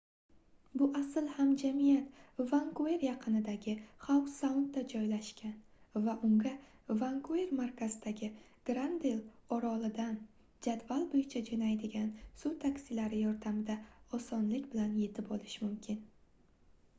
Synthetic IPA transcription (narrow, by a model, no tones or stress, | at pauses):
bʊʔasɪlhamd͡ʒamijat̪vaŋkue̞ɾjɑqʰɨnɪd̪aɡʲɪχawsawnt̪̚d̪ad͡ʒɒjlaʃkʲanvaʔʊŋɡa | vaŋkʰue̞ɾmaɾkʰʲazɪd̪aɡʲɪ | ɡ̥ɾand̪elɒɾɒlˠɪd̪an | d͡ʒad̪valˠbojɪt͡ʃʰad͡ʒanajd̪ɪɡʲansʊt̪ʰakʲsɪlaɾɪjɒɾd̪amd̪aɒsɒnlɪkʲbɪlanje̞t̪ʰɪpolɪʃmʊmkʲʰɪn